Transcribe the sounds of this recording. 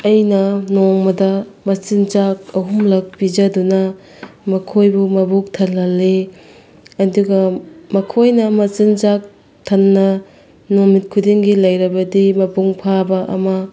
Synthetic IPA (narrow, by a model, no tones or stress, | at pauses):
ɐjnɐnoŋmɐdɐmɐsinzak̚ɐɦumlɐk̚pid͡ʒɐdunɐ | mɐkʰojbumɐbuk̚tʰɐlɐlːe | ɐduɡɐmɐkʰojnɐmɐsind͡ʒak̚ | tʰɐnːɐ | nomit̚kʰudiŋɡilɐjɾɐbɐdimɐpuŋpʰabɐʔɐ̰mɐ